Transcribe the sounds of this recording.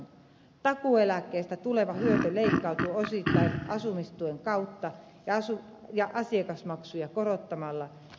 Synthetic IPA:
t̪ɑkuelækːˑeːst̪æt̪uleʋɑhyøt̪øleikːɑut̪uosit̪ːɑiʔɑsumist̪ueŋkɑut̪ːɑ | jɑɑsu | jɑʔɑsiekɑsmɑksujɑkorot̪ːɑmɑlːɑ

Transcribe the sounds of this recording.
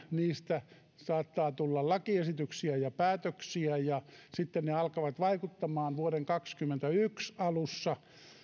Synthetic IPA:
niːst̪æ | sɑːt̪ːɑːt̪ulːɑllɑkiesit̪yksiæjɑpæːt̪øksiæjɑsit̪ːenneɑlkɑʋɑt̪ʋɑikut̪ːɑmɑːnʋuoɾeŋkɑkskymːent̪æyksɑlusːɑ

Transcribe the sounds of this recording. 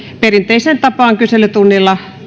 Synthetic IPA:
perint̪eisent̪ɑpɑːŋkyselːˑyt̪unːilːɑ

